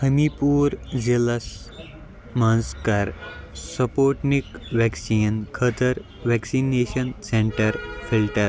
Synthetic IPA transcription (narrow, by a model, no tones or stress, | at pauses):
həmipuːɾd͡ʑeləs | mə̃nskaɾsəpoʈnikʋɛksiːnkʰət̪əɾ | ʋɛksineɕənsẽɳʈəɾfilʈəɾ